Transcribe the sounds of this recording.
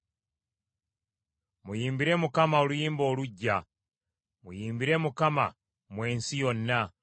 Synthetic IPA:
mujiːmbiɾe̞mukamaolujiːmbo̞ːluɟːa | mujiːmbiɾe̞mukama̰ | mwe̞ːnsijonːa

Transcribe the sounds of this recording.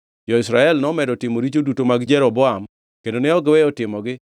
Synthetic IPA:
d͡ʒɔɪsɾaɛlnɔmɛdɔtɪmoɾit͡ʃodutomaɡd͡ʒɛɾɔbɔam | kendonɪɔɡɪwɛɔtɪmɔɡɪ

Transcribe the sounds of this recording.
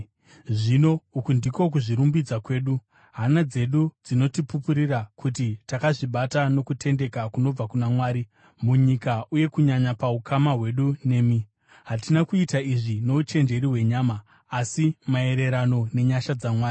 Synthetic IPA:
ʐino̞ukundiko̞k̬uʐiɾumbid͡zakwe̞ːɗu | ɦanad͡ze̞ɗud͡zino̞tipupuɾirakʰutitakaʐiɓatano̞kutʰe̞nde̞kakuno̞b͡vakunamwaːɾi | muɲikauje̞kuɲaɲapaukʰamaɦwe̞ɗune̞ːmi | ɦatinakuitaiʐino̞ut͡ʃe̞nd͡ʒe̞ɾiɦwe̞ɲaːmaː | simae̞ɾe̞ɾano̞ne̞ɲaʃad͡zamwaːi

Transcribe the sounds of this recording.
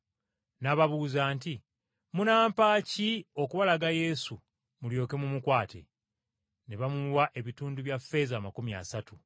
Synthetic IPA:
naβaβuzaːnti | munaːmpaːcio̞kuβalaɡaje̞su | muljo̞ːke̞mumukwaːtʰe̞̰ | ne̞βamulwaʔe̞βituːnduβjafːe̞zaːmakumia̰satu

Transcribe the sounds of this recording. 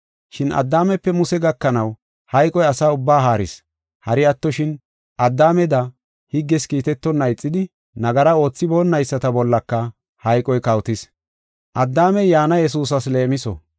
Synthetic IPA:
ʃɪnʔɐ̰d̪ːaːmɛpːɛmʊsɛɡɐkːɐnɐw | hɐjkʼɔjɐsaːʊbːaːɦaːɾɪ̰s | hɐɾɪɐt̪ːɔʃɪn | ʔɐd̪ːaːmɛd̪ɐ | hɪɡːɛskiːt̪ɛt̪ːɔnːɐjt͡sʼːɪd̪ɪ | nɐɡɐɾɐo̞ːt͡sːɪbo̞ːnːɐjsːɐt̪ɐbɔlːɐkːɐ | hɐjkʼɔjkɐwt̪ɪs | ʔɐd̪ːaːmɛjjaːnɐjɛs̬uːs̬ɐsle̞ːmɪsɔ̰

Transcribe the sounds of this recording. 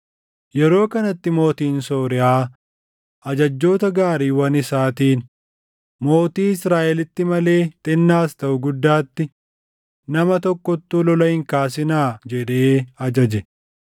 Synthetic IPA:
jɛɾo̞ːkɐnɐt̪ːɪmo̞ːt̪iːnso̞ːɾɪʔaː | ʔɐd͡ʒɐd͡ʒːo̞ːt̪ɐɡaːɾiːwɐnɪsaːt̪iːn | mo̞ːt̪iːɪsɾaːʔɛlɪt̪ːɪmɐle̞ːt̪ʼɪnːaːst̪ɐʔʊɡʊd̪ːaːt̪ːɪ | nɐmɐt̪ɔkːɔt̪ːuːlɔlɐhɪŋkaːs̬ɪnaːd͡ʒɛᶑeːɐd͡ʒɐd͡ʒɛ

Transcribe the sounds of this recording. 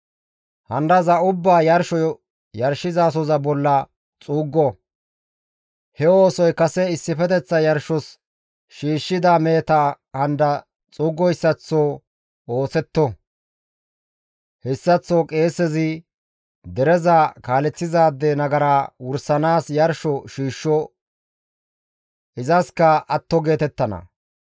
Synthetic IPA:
hɐnd̪ɐzɐʊbːaːjɐɾʃɔjɔ | jɐɾʃɪzaːs̬ɔzɐbɔlːɐ | t͡sʼuːɡːɔ | hɛo̞ːsɔjkɐsɛɪsːɪfɛt̪ɛt͡sːɐjɐɾʃɔs | ʃiːʃːɪd̪aːmeːt̪ɐ | hɐnd̪ɐ | t͡sʼuːɡːɔjsːɐt͡sːoː | o̞ːsɛt̪ːɔ | hɛsːɐt͡sːoːkʼe̞ːsːɛzɪ | d̪ɛɾɛzakaːlɛt͡sːɪzaːd̪ːɛnɐɡɐɾaːwʊɾsɐnaːsjɐɾʃɔʃiːʃːɔ | ɪzɐskɐɐt̪ːɔɡe̞ːt̪ɛt̪ːɐnɐ̰

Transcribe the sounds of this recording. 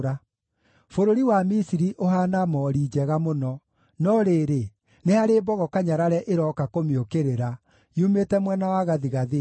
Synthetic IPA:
ɾa | foɾoɾiwamisiɾiʔoɦanamɔɾiːd͡ʑɛɣamonɔ | nɔɾeːɾe | nehaɾeːbɔɣɔkaɲaɾaɾɛʔeɾɔkakomiokeɾeɾa | jumetɛmwɛnawaɣaðiɣaðe

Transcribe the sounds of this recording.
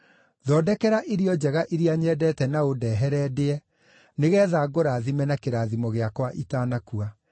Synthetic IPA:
ðɔːdɛkɛɾaʔeɾiɔd͡ʒɛɣaʔiɾiaɲɛːdɛtɛnaodɛːɦɛɾɛːdeɛ | neɣɛːðaːɡoɾaːðimɛnakeɾaːðimɔɣeakwaʔitaːnakua

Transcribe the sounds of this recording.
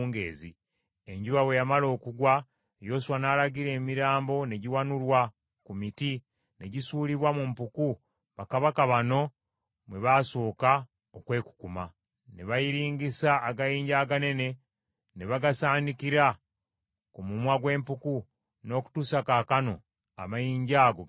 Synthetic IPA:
ŋɡḛːzḭ | e̞ɲɟuβawe̞jamalo̞ːkuɡwa | ejo̞suwanaːlaɡiɾe̞ːmiɾaːmbo̞ne̞ɟiwanulwa | kumiti | ne̞ɟisuːliβwamumpuku | βakaβakaβano̞ | mwe̞βaso̞ːka | okwe̞ːku̥kuma | neβajiɾiːŋɡisaːɡajiːɲɟaːɡane̞ne̞ | neβaɡasaːndikiɾa | kumumwaɡwe̞ːmpuku | no̞ku̥tuːsakakano̞ | a̰majiːɲɟaːɡo

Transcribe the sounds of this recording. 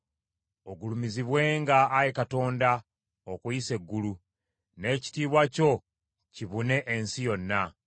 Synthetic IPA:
o̞ɡulumiziβwe̞ːŋɡaːjekato̞ːnda | okuise̞ɡːulu | ne̞ːci̥tiːβwaco̞ | ciβune̞ʔensijo̞nːa

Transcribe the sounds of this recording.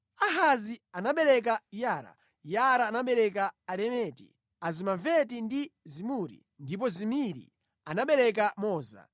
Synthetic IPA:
aɦazianaɓɛɾɛk̬ajaːɾa̰ | jaɾaːnaɓɛɾɛk̬aːlɛmɛtḭ | azimavɛtindizimuɾḭ | ndip̬ɔzimiɾḭ | anaɓɛɾɛk̬amɔːza̰

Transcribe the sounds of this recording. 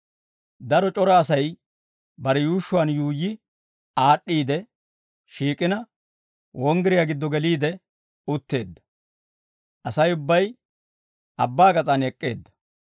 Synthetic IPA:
d̪ɐɾɔt͡ʃʼɔɾɐːsɐj | bɐɾɛjuːʃʊwaːnjuːjːɪ | aːɗːiːd̪ɛ | ʃiːkʼɪnɐ | wʔɔŋɡɪɾɪjaɡɪd̪ːɔɡɛliːd̪ɛ | ʊt̪ːe̞ːd̪ːɐ̥ | ʔɐsɐjʊbːɐj | ɐbːaːɡɐt͡sʼɐnɛkʼːe̞̰ːd̪ːɐ̥

